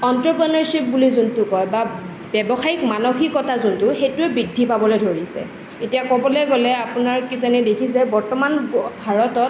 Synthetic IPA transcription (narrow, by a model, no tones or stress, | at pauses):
ɔntɹɔpɔnɔɹsip̚bulizuntʊkɔjba | bɛbɔxajikmanoxikɔtazuntʊxetuɛbɹidʱːipabɔlojdʱoɹisɛ̰ | etijakɔbɔlɛɡɔlɛapunaɹkisɛnɛdekʰisɛbɔɹtɔmanbʱaɹɔtɔt̚